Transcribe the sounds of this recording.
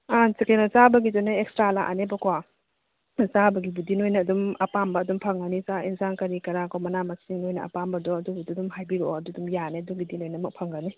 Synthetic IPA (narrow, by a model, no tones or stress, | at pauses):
asiklenɐsabɐɡizɔneekstɾala̰ʔa̰nebɐkʰwa | sabɐɡibudinojnɐːdumɐpambɐːdumpʰɐŋɡanisainsankɐɾikɐɾakʰawmɐnamɐksiŋnojnɐʔɐ̰pambɐdɔɐdubududumɦajbiɾoɐdudumjaneduŋɡidinojnɐmɐk̚pʰɐŋɡani